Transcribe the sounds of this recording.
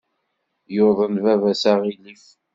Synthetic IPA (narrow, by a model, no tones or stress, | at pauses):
joðˤənvævæsaʁilif